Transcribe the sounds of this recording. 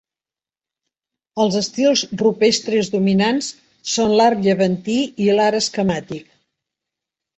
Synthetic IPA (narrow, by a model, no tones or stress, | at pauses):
əlˠzəst̪ilˠzrupest̪ɾezðuminans | sonlaɾʎəβənt̪iilaɾəskəmat̪ik̚